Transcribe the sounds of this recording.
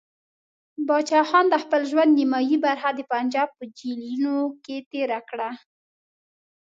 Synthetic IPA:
bɑt͡ʃɑxɑnd̪əxpəlʒwand̪nimɑjibaɾxad̪əpand͡ʒɑb̚pəd͡ʒilinoket̪eɾakɽa

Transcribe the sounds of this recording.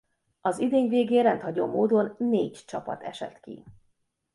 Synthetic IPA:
ɒzid̪eːɲveːɡeːrɛnt̪hɒɟo̰ːmoːd̪o̞nːeːɟt͡ʃɒpɒ̰t̪ɛʃɛ̰t̪kḭ

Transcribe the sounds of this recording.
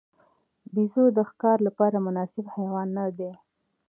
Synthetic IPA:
bizod̪əxkɑɾlapɑɾamʊnɑsɪbhajwɑnːad̪e

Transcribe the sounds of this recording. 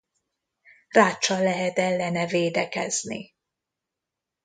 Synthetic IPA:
raːt͡ʃːɒlːɛɦɛt̪ɛlːɛnɛveːd̪ɛkɛ̰znḭ

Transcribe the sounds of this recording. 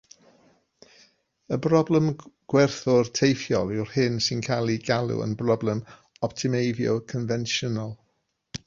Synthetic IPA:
əbrɔblˠɛmɡ̥wɛrθʊrtʰejfjɔlˠɪwr̥hɪnsɪnkʰalˠiɡalˠʊ̰ə̰nbrɔblˠɛm | ɔp̚tʰɪmejvjo̰kʰənvɛnʃənalˠ

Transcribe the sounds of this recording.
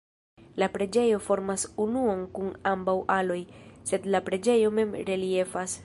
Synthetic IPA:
lapɾe̞d͡ʒe̞jo̞fo̞ɾmasunuonkunambawʔalo̞jse̞dlapɾe̞d͡ʒe̞jo̞me̞mɾe̞lie̞fas

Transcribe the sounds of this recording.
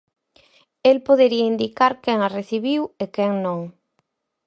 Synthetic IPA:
elpoð̞eɾiaind̪ikaɾkɛŋareθiβiwekɛŋnõŋ

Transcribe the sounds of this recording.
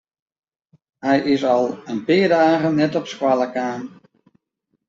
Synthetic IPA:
hɛjɪsɑlˠənpɪːdaːɣənɛtɔpskwalˠəkaːn

